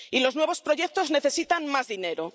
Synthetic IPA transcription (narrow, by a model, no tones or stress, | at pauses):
ilo̞znwe̞βo̞spɾo̞ʝe̞k̚t̪o̞zne̞θe̞sit̪aŋmazðine̞ɾo